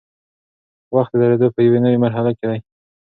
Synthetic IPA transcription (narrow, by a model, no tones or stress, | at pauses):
waxt̪əd̪aɾed̪opəjawenəwemaɾɦalaked̪aj